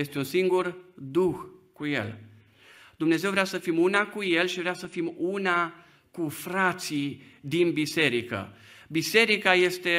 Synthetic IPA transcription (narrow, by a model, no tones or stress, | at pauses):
jest̪eunsiŋɡurd̪uxkujḛl | d̪umne̞ze̞wvɾeasəfimunakuje̞lʃivɾeasəfimuna | kufɾat̪sid̪inbise̞ɾikə̰bise̞ɾikaje̞st̪e̞